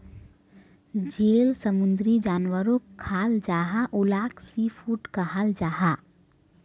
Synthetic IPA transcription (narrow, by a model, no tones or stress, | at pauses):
d͡ʒeːlsəmʊ̃nd̪ɾid͡ʒaːnwəɾõkʰaːld͡ʒaːɦaʔʊlaːksifʰuːʈkaɦald͡ʒaːɦaː